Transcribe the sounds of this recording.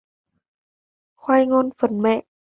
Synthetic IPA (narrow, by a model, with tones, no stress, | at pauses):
xwaː˧jŋɔ˧˥nfə˨˩˦nmɛ˧˩˨ʔ